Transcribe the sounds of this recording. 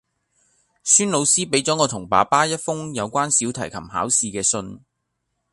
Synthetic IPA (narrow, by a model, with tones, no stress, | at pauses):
syː˥nlo˨˧wsiː˥pe˨˥jt͡sɔː˨˥ŋɔː˨˧t̪ʰʊ˨˩ŋpa̰ː˨˧paː˥jɐ˥t̚fʊ˥ŋjɐ˨˧wkʷaː˥nsiː˨˥wt̪ʰɐ˨˩jkʰɐ̰˨˩mha̰ː˨˥wsiː˧kɛː˧sɵ˧n